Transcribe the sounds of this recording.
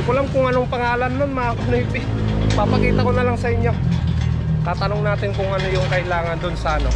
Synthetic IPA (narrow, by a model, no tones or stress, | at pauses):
kolamkʊŋɐnoŋpɐŋaːlɐnːonmɐʔakonɐipɪ | pɐpɐkiːt̪ɐko̞nɐlaŋsɐʔɪɲjo̞ | t̪aːt̪ɐnoŋnaːt̪ɪnkʊŋʔɐno̞jʊŋkɐʔɪlaːŋɐnd̪ʊnsɐʔɐno̞̰